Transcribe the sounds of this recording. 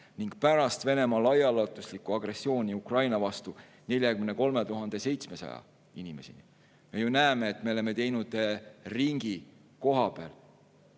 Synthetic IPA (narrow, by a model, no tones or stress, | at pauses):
niŋɡ̥̚pæɾɑst̪ve̞ne̞mɑlɑjɑlot̪ːˑuslikˑːuɑɡ̥re̞sːio̞ːnʲiukrɑjnɑvɑst̪u | ne̞lʲjɑkymneko̞lme̞t̪uɦɑnd̪e̞se̞jt̪sme̞sɑ̰jɑ̰ | inʲime̞sḭnḭ | me̞junæeme̞ːt̪me̞o̞le̞me̞t̪e̞jnud̪̥eriŋɡ̥i | ko̞ɦɑbeæ̰l